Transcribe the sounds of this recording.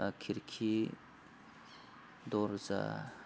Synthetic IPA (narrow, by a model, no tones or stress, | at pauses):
akʰiɾkʰi | d̪oɾza̰